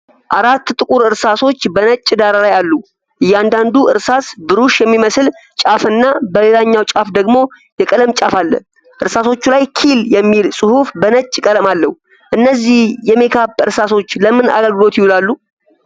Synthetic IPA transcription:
ʔaɾat̪ːt̪ʼɨkʼuɾɨɾsaso̞t͡ʃːbənət͡ʃʼːd̪aɾalajalːu | ʔɨjːand̪and̪uʔɨɾsasbɨɾuʃjɛmːiməslt͡ʃʼafɨnːabəlelaɲːawt͡ʃʼafd̪əɡmo̞ | jɛkʼələmt͡ʃʼafalːə̰ | ʔɨɾsaso̞t͡ʃːulajkʰiljɛmːilsʼɨhufbənət͡ʃʼːkʼələmalːəhu | ʔɨnːəzːihjɛme̞kʰabɨɾsaso̞t͡ʃːləmɨna̰ɡəlɡɨlo̞t̪jɪhulalːu

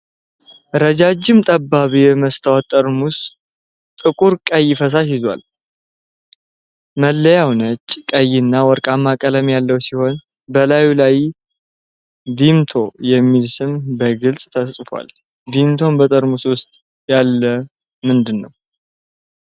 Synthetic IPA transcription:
ɾəd͡ʒad͡ʒɪmt̪ʼəbːaβijɛməst̪ʰəwat̪ʼːəɾmus | t̪ʼɨkʼuɾkʼəjːɪfəs̬aʃɪzwa̰l | məlːəjawnət͡ʃʼːkʼəjːɪnːawɔɾkʼamːakʼələmjalːəwsiho̞n | bəlajulaj | d̪imt̪ʰo̞jɛmːilsɨmbəɡɨlsʼt̪ʰəssʼfʷa̰l | d̪imt̪ʰo̞mbət̪ʼəɾmuswʊst̪ʼ | jalːə | mɨnd̪ɨnːəw

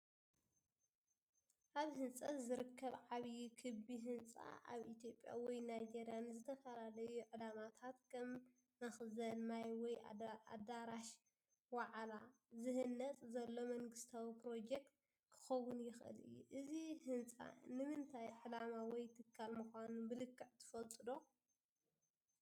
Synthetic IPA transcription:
ʔaβhɨnt͡sʼɐt̪zɨɾɨkʰːɐβʕaβjkʰɨbiɦɨnt͡sʼa̰ʔa̰βʔit̪ʰjo̞pʼːja̰wɔjnajd͡ʒe̞ɾjanzɨt̪ʰɐfɐlalɐjuʕɨlamat̪ʰat̪kʰɐm | nɐxzɐnmajwɔja̰d̪aɾaʃ | waʕla | zɨhɨnːɐt͡sʼzɐlːo̞mɐŋɡɨst̪ʰawipɾo̞d͡ʒek̚t̪̚ | kʰɨ̥xɐwːʊnjɪxʔɨ̰lɨ̰jːṵʔɨzihɨnt͡sʼa̰nɨmɨnt̪ʰajʕɨlamawɔjt̪ʰɨkʰːalmɨxʷanubɨlɨkːɨʕt̪ʰɨ̥fɐlt̪ʼɨd̪o̞

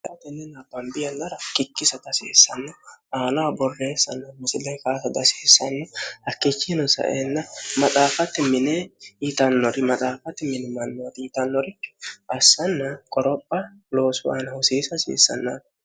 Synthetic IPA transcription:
jaːt̪ɛnːɛnɐbɐmbɪjɐnːɐɾɐkɪkːɪsɐt̪ɐsḛːsːɐnːɔʔaːnawbɔrːeːsːɐ̰nːɐmɪsɪlːɛŋkaːsɐd̪ɐseːsːɐnːɛhɐkːet͡ʃːinɔsɐ̰ʔeːnːɐmɐt̪ʼaːfɐt̪ːɪmɪnɛit̪ɐnːɔɾɪmɐt̪ʼaːfɐt̪ːɪmɪnɪmɐnːoːt̪ɪt̪ɐnːɔɾɪkːɪ̥ʔɐsːɐnːɐkʼɔɾɔpʼːɐ | loːsʊaːnɐhʊsiːsɐsḭːsːɐ̰nːaː

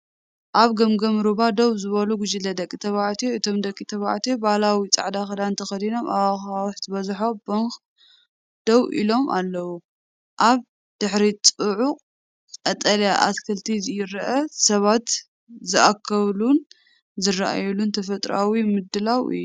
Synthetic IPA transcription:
ʔaβɡɐmɡɐmɾuβad̪owzɨβɐluɡʊd͡ʒilɐd̪ɐkʼːit̪ʰɐβaʕt̪ʰijoɨt̪ʰo̞md̪ɐkʼːit̪ʰɐβa̰ʕt̪ʰijobalawit͡sʼa̰ʕd̪axɐd̪ant̪ʰɐxɐd̪ino̞mʔawaxawħt̪ʰbɐzħo̞boŋk | d̪̥owḭlo̞mʔa̰lːɐwu | ʔaβ | d̪̥ɨħɾit͡sʼuʕuqʼ | ɐt̪ʼɐljaʔa̰skʰɐlt̪ʰizɨjɪɾɐʔɐsɐβat̪ | zɨʔakʰːɐβlun | zɨrːaʔa̰jɛlunt̪ʰɐfɐt̪ʼɾawimɨd̪ːɨlawɨ̰jːu

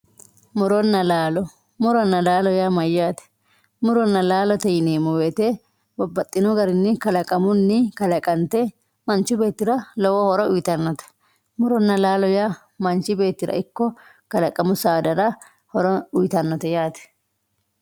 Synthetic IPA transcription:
mʊɾɔnːɐlaːlɔ | mʊɾɔnːɐlaːlɔjamɐjːaːt̪ɛ̥ | mʊɾɔnːɐlaːlɔt̪ɛjɪneːmɔweːt̪e | bɐbːɐt̪ʼːɪnɔɡɐɾɪnːɪkɐlɐkʼɐmʊnːɪkɐlɐkʼɐnt̪e | mɐnt͡ʃːʊbe̞ːt̪ːɪɾɐlɔwɔhɔɾɔʊjt̪ɐnːɔt̪ɛ̥ | mʊɾɔnːɐlaːlɔja | mɐnt͡ʃːɪbe̞ːt̪ːɪɾɐ̰ʔɪkːɔ | kɐlɐkʼɐmʊsaːd̪ɐɾɐ | hɔɾɔʊjt̪ɐnːɔt̪ɛjaːt̪ɛ̥

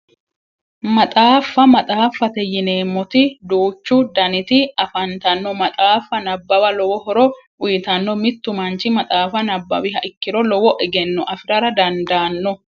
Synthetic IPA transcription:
mɐt̪ʼaːfːɐmɐt̪ʼaːfːɐt̪ɛjɪne̞ːmːɔt̪ɪd̪uːt͡ʃːʊd̪ɐnɪt̪ɪɐfɐnt̪ɐnːɔmɐt̪ʼaːfːɐnɐbːɐwɐlɔwɔhɔɾɔʔʊjɪt̪ɐnːɔmɪt̪ːʊmɐnt͡ʃɪmɐt̪ʼaːfɐnɐbːɐ̰wɪɦɐʔɪkːɪɾɔlɔwɔʔɛɡɛnːɔʔɐfɪɾɐɾɐd̪ɐnd̪aːnːɔ

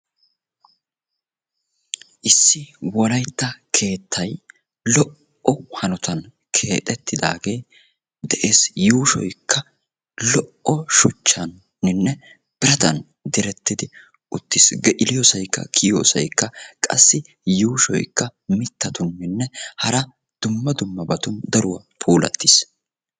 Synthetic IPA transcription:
ʔɪsːɪwɔlɐjt̪ːɐkʰe̞ːt̪ʰːɐj | lɔʔ | ɔhɐnɔt̪ɐn | kʰe̞ːt̪ʼɛt̪ːɪd̪a̰ːɡe̞ː | d̪ɛʔe̞ːsjuːʃɔ̰jkːɐ | lɔʔɔʃʊt͡ʃːɐnː | ɪnːɛ | b̥ɪɾɐt̪ɐ̰n | d̪ɪɾɛt̪ːɪd̪ɪ | ʔʊt̪ːɪsɡɛʔɪlɪjoːsɐjkːɐ̰kʰɪjo̰ːsɐ̰jkːɐkʼɐ̰sːɪ | juːʃɔ̰jkːɐmɪt̪ːɐt̪ʊnːɪnːɛhɐɾɐ | d̪̥ʊmːɐd̪ʊmːɐbɐt̪ʊnd̪ɐɾʊwɐ | pʰuːlɐ̰t̪ːɪs

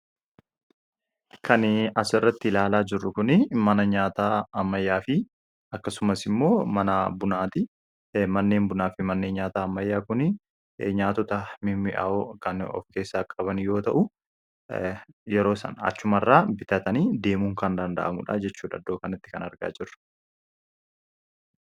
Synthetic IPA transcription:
kʰɐnɐsɐrːɐt̪ːɪɪlaːlaːd͡ʒɪrːʊkʊnɪmɐnɐɲaːt̪aːɐmːɐjːaːfɪ | ɐkːɐsʊmɐsɪmːo̞ːmɐnɐbʊnaːt̪ɪ | mɐnːe̞ːnbʊnaːfɪmɐnːe̞ːnɲaːt̪aːɐmːɐjːaːkʊnɪ | ɲaːt̪ɔt̪ɐmɪmːɪʔɐ̰ʔokɐnɔ̰fke̞ːsːaːkʼɐβɐnjo̞ːt̪ɐʔʊ | jɛɾo̞ːsɐ̰nɐ̰t͡ʃːʊmɐrːaːbɪt̪ɐt̪ɐniːd̪e̞ːmuŋkɐnd̪ɐnd̪ɐ̰ʔɐ̰mʊ̰ᶑa̰ːd͡ʒɛt͡ʃːuːᶑɐ̰d̪ːo̞ːkɐnɪt̪ːɪ̥kɐnɐɾɡa̰ːd͡ʒɪrːʊ̥

